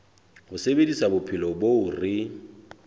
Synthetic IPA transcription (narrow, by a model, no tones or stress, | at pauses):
bʊsebedisabʊpʰɪlɔboʊrɪ